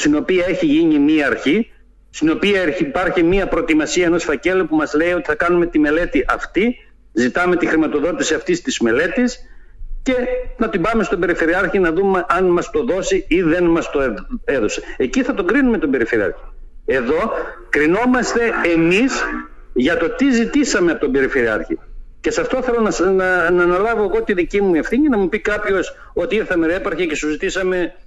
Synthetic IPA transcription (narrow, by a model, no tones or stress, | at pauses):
st̪ino̞piɐe̞çiʝiɲimiɐːɾçi | st̪ino̞piɐeipɐɾçimiɐpɾo̞t̪imɐsiɐeno̞sfɐce̞lo̞pumɐzle̞io̞t̪iθɐkɐnume̞t̪ime̞le̞t̪iʔɐft̪i | zit̪ɐme̞t̪ixɾimɐt̪o̞ðo̞t̪isiɐft̪ist̪izme̞le̞t̪is | ce̞nɐt̪ibɐme̞st̪o̞be̞ɾife̞ɾiɐɾçinɐðume̞ʔɐnmɐst̪o̞ðo̞siiðe̞nmɐst̪o̞ee̞ðo̞seeciθɐt̪o̞ɡɾinume̞t̪obe̞ɾife̞ɾiɐ̰ɾçi̥ | e̞ðo̞kɾino̞mɐst̪e̞emis | ʝɐt̪o̞t̪izit̪isɐmeɐpot̪obe̞ɾife̞ɾiɐ̰ɾçḭce̞sɐft̪o̞θe̞lo̞nɐnːnɐlɐvo̞eɣo̞t̪iðicimue̞fθiɲinɐmupikɐpço̞s | o̞t̪iiθɐmeɾepɐɾçecesuzit̪isɐme̞